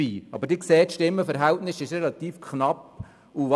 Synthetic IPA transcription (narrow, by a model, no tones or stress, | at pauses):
iːɑb̥əɾdɪkseːtʃtɪmːəfəɾɦæltnɪsɪʃɾɛlɑt̪iːfkχnɑp | uʋ